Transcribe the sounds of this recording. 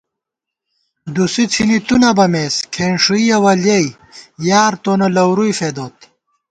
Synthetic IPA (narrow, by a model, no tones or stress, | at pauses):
d̪usit͡sʰinit̪unɐbɐmeːskʰeːnʂuiɐwɐljɐj | jaːɾt̪oːnɐlɐwɾujfeːd̪oːt̪